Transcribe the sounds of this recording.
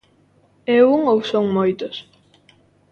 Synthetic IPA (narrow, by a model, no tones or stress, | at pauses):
ewuŋowsoŋmojt̪os